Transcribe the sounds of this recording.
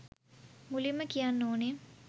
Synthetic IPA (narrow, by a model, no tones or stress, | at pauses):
mulimːəkijanːoːne